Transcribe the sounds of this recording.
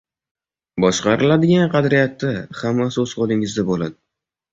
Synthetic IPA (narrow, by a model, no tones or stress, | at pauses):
bɒʃqɑɾɪlad̪ɪɡʲanqʰɑd̪ɾɪjat̪ːahamːasɪoz̥qolˠɪŋɪzd̪abolad̪ɪ